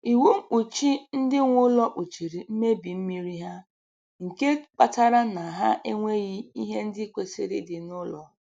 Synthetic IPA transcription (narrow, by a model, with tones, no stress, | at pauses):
i˨wu˦m̩˦˨k͡pu˨t͡ʃi˦n̩˦dɪ˦ŋʷʊ˦lɔ˦ʔu˨t͡ʃi˨ɾi˨m̩˦me˦bi˨m̩˦mi˦ɾi˦ɦa˦ | ŋ̩˨ke˦k͡pa˦ta˦ɾa˦na˨ɦa˦ʔe˦ŋʷe˦ɣɪ˦i˦ɦe˦n̩˦dɪ˦kʷe˨sɪ̰˦ɾḭ˦dɪ˨nʊ˦lɔ̰˨